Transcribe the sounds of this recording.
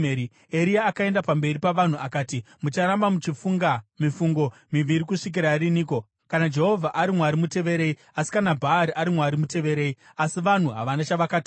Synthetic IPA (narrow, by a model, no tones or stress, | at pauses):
i | eɾiaːkae̞ndapambe̞ripaʋan̤uʔakaːti | mut͡ʃaɾambamut͡ʃifuŋɡamifuŋɡo̞miʋiɾikuʂik̬iɾaɾiniːko̞ | kanad͡ʒe̞ɦovʱaʔaɾimwaɾimute̞ʋe̞ɾe̞i | asi̥kanabʱaːɾiʔaɾimwaɾimute̞ʋe̞ɾe̞ːi | asiʋan̤uɦa̰ʋanat͡ʃaʋakaːti